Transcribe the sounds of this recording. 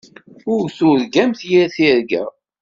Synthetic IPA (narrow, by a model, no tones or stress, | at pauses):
ʊɾθʊɾɡæmθjiɾθiɾɡæ̰